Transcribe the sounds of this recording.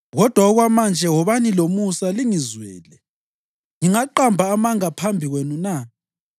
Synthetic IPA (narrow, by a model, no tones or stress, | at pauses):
ɣɔd̥ʱwaɔɣwamand͡ʒʱɛwɔβanilomusaliŋizwɛ̰ːlɛ | ŋiŋaǃambʱaːmaŋapʰambʱiɣwenuna